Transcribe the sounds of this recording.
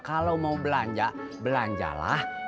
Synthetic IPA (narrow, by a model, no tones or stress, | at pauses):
kalawmaubəlaɲd͡ʒa | bəlaɲd͡ʒa̰la̰h